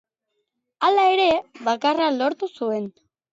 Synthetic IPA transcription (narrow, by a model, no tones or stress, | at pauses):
alae̞ɾe̞βakaralo̞ɾt̪usue̞n